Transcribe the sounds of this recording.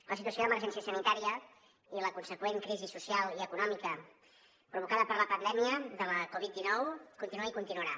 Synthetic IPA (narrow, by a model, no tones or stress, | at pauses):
ləsit̪uəsjoðəmərʒɛnsiəsənit̪aɾiə | iləkunsəkweŋkɾizisusialˠiəkunɔmikə | pɾuβ̞ukaðəpəɾləpənd̪ɛmiəðələkɔβit̪̚d̪inɔwkunt̪inuaikunt̪inuəɾa